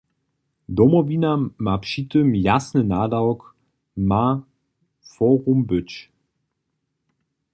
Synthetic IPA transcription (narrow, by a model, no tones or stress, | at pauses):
dɔmɔviːnamapʃitəmjasnənaːdawk | ma | fɔːʁumbʏt͡ʃ